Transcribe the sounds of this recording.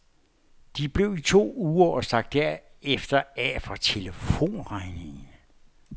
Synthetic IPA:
d̥ib̥le̝ʊit͡sʰo̝̰ːuːɐʔɒ̽sɑ̈ɡ̥̚d̥æɐ̰efd̥ɐæfɒt͡sʰe̝ləfo̝̰ːnʁɑ̈ɪne̝ŋn̩

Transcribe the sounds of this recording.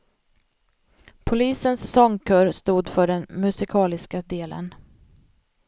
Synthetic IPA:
pʰʊliːsənsːɔŋkʰœːɾst̪uːd̪fœɖɛnmɵsɪkʰɑːlɪskad̪eːlə̰n

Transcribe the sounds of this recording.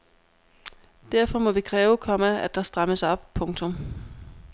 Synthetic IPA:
d̥æɐ̰fɒ̽mɒ̽ʋikʰʁɛːʊkʰɒ̽mææd̥ɑ̈sd̥ʁaməsɒ̽b̥̚pʰɔ̽ŋt͡sʰɔ̽m

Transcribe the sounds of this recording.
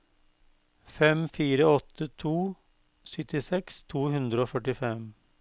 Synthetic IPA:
fɛmfiːɾəɔt̪ʰət̪ʰuː | sʏt̪ɪsɛkst̪ʰuːhʉnd̪ɾəoːfœʈɪfɛm

